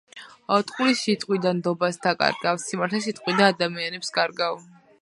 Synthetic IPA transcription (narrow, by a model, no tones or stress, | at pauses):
ɔt̪ʼqʼulisːit̪ʼqʼwid̪and̪ɔbasd̪akʼa̰ɾɡavsimaɾt̪ʰɛs̬it̪ʼqʼwid̪aːd̪amianɛpskʼaɾɡav